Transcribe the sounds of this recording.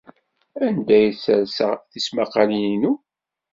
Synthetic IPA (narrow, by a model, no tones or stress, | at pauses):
ænd̪æjsæɾsə̰ʁθismaqːɑliinu